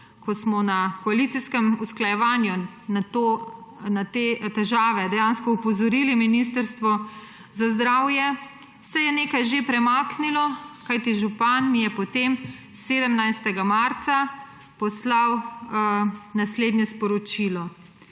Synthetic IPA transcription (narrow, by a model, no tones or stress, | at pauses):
kɔsmɔnakɔalit̪siskɛmusklajɛʋanju | nat̪oːnat̪et̪ɛʒaːʋɛd̪ɛjaːnskɔupɔzɔɾiliminist̪əɾst̪ʋɔ | zazd̪ɾawjɛ | sɛjɛneːkajʒepɾɛmaːknilɔkajt̪iʒupanmijɛpɔt̪emseːd̪əmnajst̪ɛɡamaɾt̪sa | pɔslaw | nasleːd̪njɛspɔɾɔt͡ʃilɔ